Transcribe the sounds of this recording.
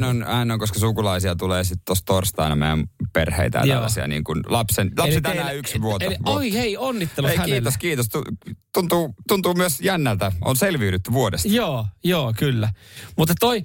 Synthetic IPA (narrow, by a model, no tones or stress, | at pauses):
nonɑinoŋkoskɑsukulɑisiɑt̪uleːsit̪t̪ːost̪orst̪ɑinɑmḛjæ̰mpḛrhḛit̪æ̰jɑ̰siɑ̰nḭːŋkunlɑpsenlɑsset̪ænæyksʋuoteioiheionːit̪ːelueihæeːoskiːt̪ost̪ut̪unt̪uːt̪unt̪uːmyøsjænːælt̪æo̰nselʋiːɾyt̪ːyʋuodesoːjoːkylːæmut̪ːet̪t̪oi